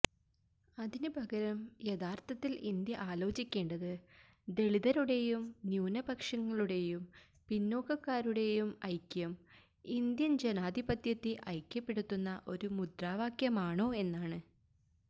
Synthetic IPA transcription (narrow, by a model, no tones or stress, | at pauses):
ɐðinɨbʱɐɡɐɾɐmjeðaːrt̪ʰɐt̪ːilind̪jɐʔaːlo̞ːt͡ɕikʲːe̞ːɳɖɐðɨ | d̪e̞ɭiðɐɾuɽe̞jumnjuːnɐbɐkʂɐŋːɐɭuɽe̞jum | pinːoːkɐkːaːɾuɽe̞jumɐjkʲːjɐm | ind̪jɐnd͡ʑenaːd̪ʱibɐd̪jɐt̪ːiʔɐjkʲːɐpːe̞ɽut̪ːunːɐʔo̞ɾumud̪raːʋaːkjɐmaːɳo̞ːe̞nːaːɳɨ